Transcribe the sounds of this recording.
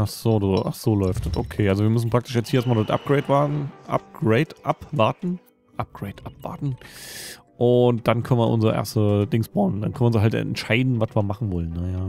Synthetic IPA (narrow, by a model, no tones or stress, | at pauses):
ʔaχz̥oːduʔaχz̥oːlɔʏftd̥atokʰeːʔalzoviːɐmʏs̬n̩pʁ̥aktʰɪ̥ʃjɛt͡sthiɐeɛstmaldɔtʔa̰p̚ɡ̥ʁeɪtvaʔa̰p̚ɡ̥ʁeɪtʔapvaɐtn̩ | ʔap̚ɡ̥ʁeɪtʔapv̥a̰ɐtn̩ | ʔʊnt̚d̥ankʰœnnvɐʔʊ̰nzəʁəʔḛɐstəd̥ɪŋsb̥aʊnnda̰nkʰœnɐʊnzɦaltɛ̰ntʃaɪdn̩vasviːɐmaχn̩vɔlənːəjaː